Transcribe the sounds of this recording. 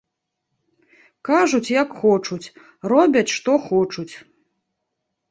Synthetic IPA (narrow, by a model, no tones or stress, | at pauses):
kaʐut͡sʲjɐkxɔt͡ʂut͡sʲ | rɔbʲɐt͡sʲʂt̪ɔxɔt͡ʂut͡sʲ